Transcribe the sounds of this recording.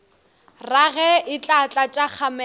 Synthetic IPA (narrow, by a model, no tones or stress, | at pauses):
raɣɛɪt͡ɬʼat͡ɬʼat͡ʃʼaχʰamɛ